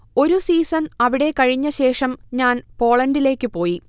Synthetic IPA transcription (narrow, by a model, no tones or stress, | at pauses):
o̞ɾusiːsɐnɐʋiɽe̞kɐɻiɲːɐɕe̞ːʂɐmɲaːnpo̞ːɭɐndile̞ːkːɨpo̞ːji